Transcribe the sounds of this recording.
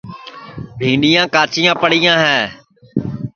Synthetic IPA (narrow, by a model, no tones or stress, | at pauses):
bʱiːnijãːkaːt͡ʃɪjãːpəɽiːjãːɦɛː